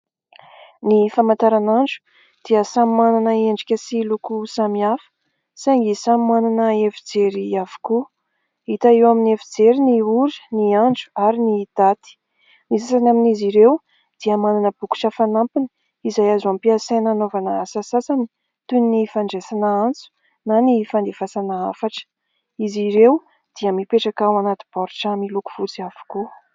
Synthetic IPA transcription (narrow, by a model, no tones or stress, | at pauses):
nifamant̪aɾanaɳɖ͡ʐu̥ | d̪̥iəsammananəeɳɖ͡ʐikʲəsilukusamiafə̥ | saŋɡisammananəefid͡zeɾiavu̥ku | it̪aewaminefid͡zeɾiniuɾi̥niaɳd͡ʒu̥aɾinid̪̥at̪i̥ | nisasanaminiziɾew | d̪̥iəmananəb̥uku̥ʈ͡ʂəfanampini̥ | izajazampiasenanovanəasasasani̥ | t̪unnifaɳɖ͡ʐesanaant͡su̥ | nanifand̪efasanaa̰faʈ͡ʂə̥ | iziɾew | d̪̥iəmipeʈ͡ʂakawanat̪i̥b̥ɔɾʈ͡ʂamiluku̥v̥ut͡siavu̥ku